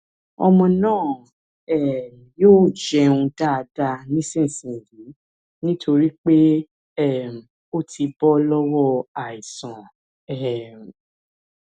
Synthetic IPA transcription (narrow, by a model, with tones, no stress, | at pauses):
ɔ̰˧mɔ̃˧nãː˦˨ | ɛ˨ | joː˦˨d͡ʒɛ˧ũ˧da˦˨˧da˧nĩ˦sĩ˦˨sĩ˨di˨˦ | nĩ˦tʰo˧ɾi˦k͡pe˦ | ɛ˦˨m̩˨ | o˦tʰi˧bɔ˦lɔ˦wɔ˦a˨i˨sã˨ | ɛ˨m˨